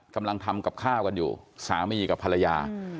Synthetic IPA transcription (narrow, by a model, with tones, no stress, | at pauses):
ka˧mla˧ŋt̪ʰa˧mka˨˩p̚kʰaː˥˩wka˧njṵː˨˩saː˩˦miː˧˩ka˨˩pʰːa˧la˧jaː˧